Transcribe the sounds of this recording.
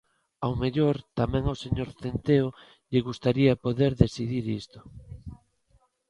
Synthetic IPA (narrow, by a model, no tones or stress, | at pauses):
awmeʎoɾt̪amɛ̃ŋawseɲoɾθent̪eo | ʎeɣust̪aɾiapoðeɾðesiðiɾist̪o̥